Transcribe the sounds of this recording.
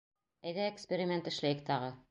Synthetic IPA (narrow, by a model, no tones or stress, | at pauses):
æjðæekspʲeɾʲɪmʲe̞nt̪ɘ̆ʃlæjɘk̚t̪ɑʁɤ